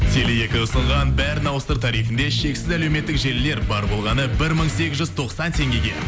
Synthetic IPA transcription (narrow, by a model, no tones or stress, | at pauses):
t̪ʰelɪje̞kʲɪʊsəɴʁɑnbæɾnɑwəst̪əɾt̪ʰɑɾijfɪnd̪e̞ʃe̞ksɪzæle̞wme̞t̪ːɪkʒe̞lɪːe̞ɾbɑɾbo̞lˠʁɑnəbɪɾməɴse̞kʲɪzʒʏzt̪ʰo̞qsɑnt̪ʰe̞ŋɡʲe̞ɡʲe̞̰t̪